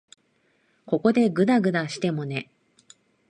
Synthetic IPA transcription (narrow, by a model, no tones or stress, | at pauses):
ko̞ko̞d̪e̞ɡɯ̟d̪aɡɯ̟d̪aɕi̥t̪e̞mo̞ne̞